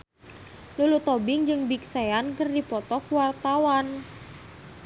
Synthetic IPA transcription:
lulut̪ɔbɪŋd͡ʒɨŋbik̚saankərdipɔt̪ɔkwart̪awan

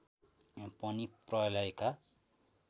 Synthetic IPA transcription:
pʌniprʌlaeka

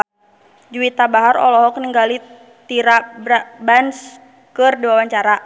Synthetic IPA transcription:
d͡ʒuwit̪abaɦaɾɔ̰lɔɦɔkniŋɡali | t̪iɾabɾabans | kɨrdiwawaɲt͡ʃaɾa

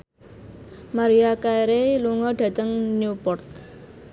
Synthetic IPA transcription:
maɾiakajɾeluŋɔɖa̤t̪əŋniupɔrt̪̚

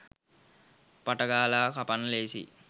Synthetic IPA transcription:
pɐʈɐɡaːlaːkɐpɐnleːsḭ

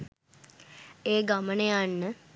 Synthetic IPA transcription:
eːɡamənejanːə

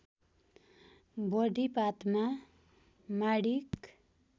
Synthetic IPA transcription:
bʌɖʱipat̪ma | maɽik

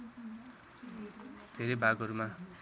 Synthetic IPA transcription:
d̪̥ʱeɾʌjbʱaɡʌɾuma

